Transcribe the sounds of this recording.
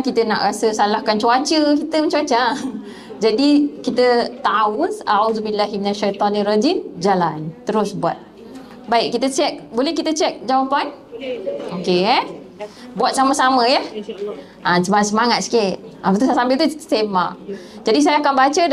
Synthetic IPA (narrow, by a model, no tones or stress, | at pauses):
kit̪əna̰ʔɾasəsalahkant͡ʃuat͡ʃəkit̪əməɲt͡ʃuat͡ʃa | d͡ʒadikit̪ət̪aʊnaʕudubilːaɦiminaʃajt̪ɔnirad͡ʒind͡ʒalant̪əɾʊsbuat̪̚ | baikkːit̪ət͡ʃɛk̚bolɛhkit̪ət͡ʃɛk̚d͡ʒawapan | oke | buat̪̚saməsaməjah | ʔasəmaŋasəmaŋat̪̚si̥ket̪̚apat̪usajasambɪlt̪uit̪semaʔd͡ʒadis̬alakanbat͡ʃə